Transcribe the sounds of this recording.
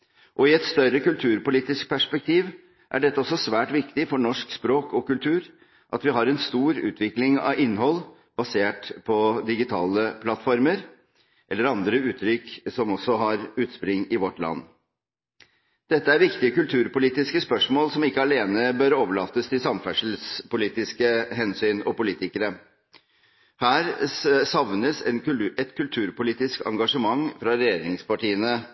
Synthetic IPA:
ʔɔɪɛt̪st̪œɾəkʉlt̪ʰʉːɾpʊliːt̪ɪsk̚pʰæʂpɛk̚t̪ʰiːʋ | ʔæ̰ɖɛt̪ːəɔsːɔsʋæːʈʋɪkt̪ɪfɔɳɔʂkspɾoːkʰɔkʉlt̪ʰʉːɾ | ʔɑ̰t̪ʋɪɦɑɾɛnst̪uːɾʉ̰ːt̪ʰʋɪklɪŋɑ̰ʋɪnːhɔl | bɑseːʈpʰɔd̪ɪɡɪt̪ʰɑːləpʰlɑt̪ːfɔɾməɾ | ʔɛlːəɾɑnd̪ɾəʉːt̪ʰɾʏksɔmɔsɔɦɑɾʉːt̪spɾɪŋːɪʋɔʈlɑ̰nː | d̪̥ɛt̪ːəæɾʋɪkt̪ɪəkʉlt̪ʰʉːɾpʊliːt̪ɪskəspœʂmoːlsɔmɪkːəɑleːnəbœɾoːʋəɭɑːt̪əst̪ʰɪlsɑmfæʂl̩spʊliːt̪ɪskəɦɛnsyːnɔpʊliːt̪ɪkəɾə | hæːɾsɑʋnəsɛnɛt̪kʰʉlt̪ʰʉːɾpʊliːt̪ɪskɑ̰ŋɡɑʂəmɑŋfɾɑɾɛjeːɾɪŋspɑʈiːənə

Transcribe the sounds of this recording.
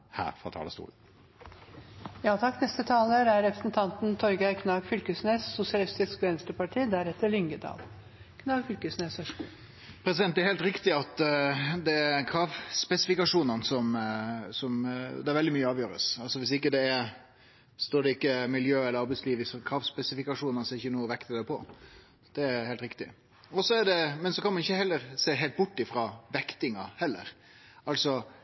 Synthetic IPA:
hæ̰ːɾfɾɑ̰t̪ʰɑ̰ːlə̰st̪ṵːln̩ | jɑːt̪ʰɑkːnɛst̪ət̪ʰɑːləɾæɾɾɛpɾəsnt̪ʰɑnt̪nt̪ʰɔɾɡɑɪkʰnɑːɡfʏlkəsneːsːʊsɪɑlɪst̪ɪskʋɛnst̪əpɑʈʰiːd̪æɾɛt̪ːəɭʏŋɡəd̪ɑ̰ːl | kʰnɑːɡfʏlkəsneːshœʂkṵ | pʰɾɛsɪd̪ɛnɛɾhɛːlt̪ɾɪkt̪ɪɑt̪d̪ɛækʰɾɑːʋspɛsɪfɪkɑʂuːnənsɔmsɔmd̪ɛæɾʋɛld̪ɪmyːəɑːʋjøːɾə̰sɑlsɔʋɪsɪkːəd̪ɛɛɾ | st̪oːɖɛɪkːəmɪljøːɛləɾɑɾbɛɪsliːʋɪsɔkʰɾɑːʋspɛsɪfɪkɑʂuːnənsɔɛɾɪçːənuːəʋɛkt̪əd̪ɛpʰɔ | d̪̥ɛæɾheːlt̪ɾɪkt̪ɪ̰ | ɔsɔɛɖɛmɛnsɔkʰɑnmɑnɪçəhɛlːəɾseːɦeɪlt̪bʊʈːɪfɾɑːʋɛkt̪ɪŋɑhɛlːə̰ɾ | ɑlsɔ

